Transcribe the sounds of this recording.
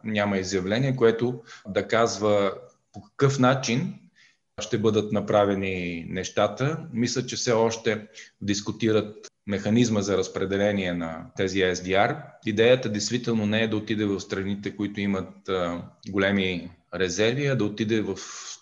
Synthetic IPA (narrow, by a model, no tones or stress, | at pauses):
nʲamɐizjɐvlɛniɛkoɛt̪ʊd̪ɐkazvə | pokɐ̥kɤfnat͡ʃin | ʃt̪ɛbɤd̪ət̪nɐpɾavɛninɛʃt̪at̪əmislʲət͡ʃɛfsɛɔʃt̪ɛd̪iskʊt̪iɾət̪̚ | mɛxɐnizməzɐɾəspɾɛd̪ɛlɛniɛnɐt̪ɛziɛzd̪iaɾid̪ɛjət̪əd̪ɛjst̪vit̪ɛlˠnonɛɛd̪ɐot̪id̪ɛvɐfst̪ɾɐnit̪ɛkʊit̪ʊimət̪̚ | ɡolɛmi | ɾɛzɛɾviɐd̪ɐot̪id̪ɛvɐf